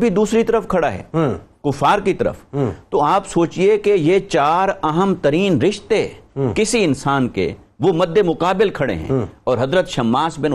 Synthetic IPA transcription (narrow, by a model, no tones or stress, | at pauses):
bʱid̪uːsɾit̪ɐɾəfkʰɐɽaɦɛ̰ːkʊfaːɾkit̪ɐɾə̰ft̪oaːpsoːt͡ʃiekejet͡ʃaːɾɐɦəmt̪ɐɾiːnɾɪʃt̪ekɪsiɪnsaːnkḛ | ʋomɐd̪ʱːemʊqaːbɪlkʰɐɽḛɦɛ̰̃ɔːɾɦɐzɾət̪ʃɐmːaːsbɪ̃n